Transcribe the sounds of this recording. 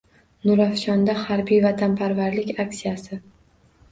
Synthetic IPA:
nʊɾafʃɒnd̪ahaɾbijvat̪ʰampʰaɾvaɾlɪkʲaksijasɪ

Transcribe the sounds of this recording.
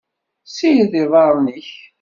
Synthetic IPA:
sijðɪðˤɑɾˤniç

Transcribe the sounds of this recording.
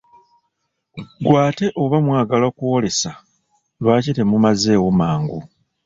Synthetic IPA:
ɡwaːte̞ʔoβamwaːɡalakuwole̞sa | lwaːcite̞mumaze̞ːwomaːŋɡu

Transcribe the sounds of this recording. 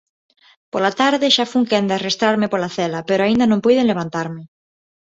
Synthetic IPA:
polat̪aɾðeʃafuŋkeand̪earest̪ɾaɾmepolaθelapeɾoaind̪anõmpujðenleβ̞ant̪aɾme

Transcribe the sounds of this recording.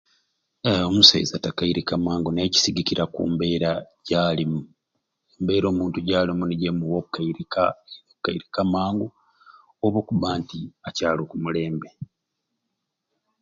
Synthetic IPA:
omusḛjzatakaiɾikamaːŋɡune̞ːci̥siɡiciɾakṵːmbe̞ːɾaɟaːlimu | embe̞ːɾo̞ːmuːntuɟaːlimuniɟemuwokːaiɾikaokːaiɾikamaːŋɡo | oβokuβaːntiacaːlokumule̞ːmbe̞

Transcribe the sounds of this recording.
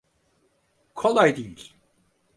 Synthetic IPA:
kʰolˠajd̪iilʲ

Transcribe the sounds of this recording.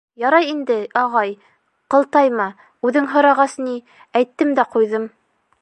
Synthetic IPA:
jɑɾɑjind̪ɘɑʁɑj | qɤ̆lˠt̪ɑjmɑ | ʉðɘŋɦŏɾɑʁɑsni | æjt̪ːɘmd̪æqujðɤm

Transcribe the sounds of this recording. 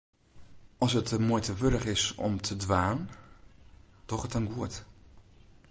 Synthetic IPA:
ɔsətəmuəjtəʋøɾəχɪsɔ̰mtʰədʋaːn | d̥ɔχətənɡuət

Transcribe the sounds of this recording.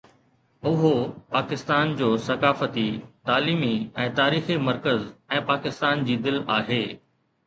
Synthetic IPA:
ʊɦopaːkɪst̪aːnd͡ʑoːsɐkaːfət̪it̪aːliːmiɛ̃ːt̪aːɾiːximɐɾkəzɛ̃ːpaːkɪst̪aːnd͡ʑiːd̪ɪlaːɦeː

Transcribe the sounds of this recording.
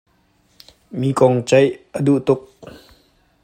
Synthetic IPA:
miːkɔŋt͡sɐjʔəduʔt̪ʊk̚

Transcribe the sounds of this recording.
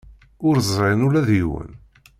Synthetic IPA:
ʊɾzˤɾenʊlæðjiwə̰n

